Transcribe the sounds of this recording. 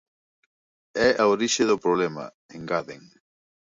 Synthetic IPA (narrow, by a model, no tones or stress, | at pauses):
ɛaoɾiʃeðʊpɾoβlɛmɐ̰ | eŋɡaðeŋ